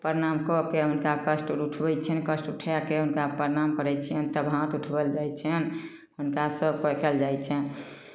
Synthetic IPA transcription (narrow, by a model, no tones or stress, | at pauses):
pəɾnamkɔkeɦunkakəsʈuʈʰbɛjt͡ʃʰɛnkəsʈuʈʰɛkeɦunkapəɾnamkəɾɛjt͡ʃʰiənt̪əbɦãt̪uʈʰbɛld͡ʒajt͡ʃʰɛn | hunkasəbkəkɛld͡ʒajt͡ʃʰɛn